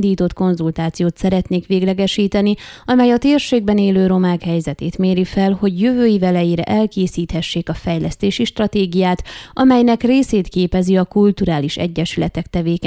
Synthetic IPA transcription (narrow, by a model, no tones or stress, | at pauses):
d̪iːt̪o̞t̪ko̞nzult̪aːt̪sijoːt̪sɛɾɛt̪neːkʋeːɡlɛɡɛʃiːt̪ɛniɒmɛjɒt̪eːrʃeːɡ̚bɛneːløːɾo̞maːkhɛjzɛt̪eːt̪meːɾifɛlho̞ɟjøvøːjivɛlɛjeːɾɛ̰ʔɛlkeːsiːt̪hɛʃːeːkɒfɛjlɛst̪eːʃiʃt̪rɒt̪eːɡijaːt̪ɒmɛjnɛkreːseːt̪keːpɛziɒkult̪uɾaːliʃɛ̰ɟːɛʃylɛt̪ɛkt̪ɛveːk